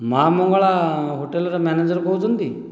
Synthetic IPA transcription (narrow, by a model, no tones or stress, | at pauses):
mamoŋɡaɭaɦoːʈelɾamɛned͡ʒəɾboud͡zund̪iː